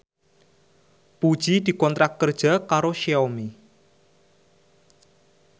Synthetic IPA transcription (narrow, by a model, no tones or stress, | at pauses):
pud̥ʒ̥id̪̥i̤kɔnt̪ɾak̚ːərd̥ʒ̥a̤kaɾoʃeɔmi